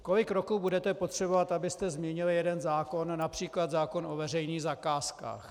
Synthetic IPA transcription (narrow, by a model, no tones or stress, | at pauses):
ko̞lɪkɾo̞kuːbudɛt̪ɛpo̞t̪r̝̥ɛbo̞vat̪abɪst̪ɛzmɲɛɲɪlɪjɛdɛnzaːko̞nːapr̝̥iːklad̪zaːko̞nʔovɛrɛjniːɣzakaːska̰ːx